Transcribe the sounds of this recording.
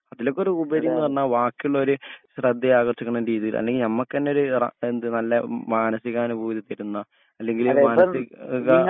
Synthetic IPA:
ɐðilo̞kːo̞ɾuubɐɾijunːɨʋɐrɐnːaːlʋaːkːijuɭːɐo̞ɾuɕrɐd̪ːɐaːɣɐrt͡ɕːikʲːuɳɐmɾiːðijilɐ̰lːe̞ŋɡlnɐmːɐkːenːeo̞ɾur̰end̪ɨnɐlːɐmaːnɐsiɣːaːnubuːiit̪ːɐɾunːɐ | ɐlːe̞ŋɡilmaːnɐsiɣɐ

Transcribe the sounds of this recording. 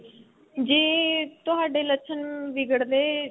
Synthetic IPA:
d͡ʒiːt̪ʊɦaːɖeːlətːʃʰənʋɪɡəɽd̪eː

